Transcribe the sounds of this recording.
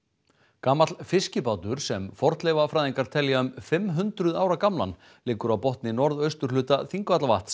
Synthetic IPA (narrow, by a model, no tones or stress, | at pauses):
kaːmat̪lfɪscɪpaːwt̪ʏɾ̥sɛmfɔɾ̥t̪lɛːvafɾaːjðiŋkaɾ̥t̪ʰɛljaʏmfɪmɦʏnt̪ɾʏðaːwɾakamla̰n | lɪːkʏɾawpɔht̪nɪnɔɾðœɥst̪ʏɾ̥lʏːt̪aθiŋkvat̪lavaht̪s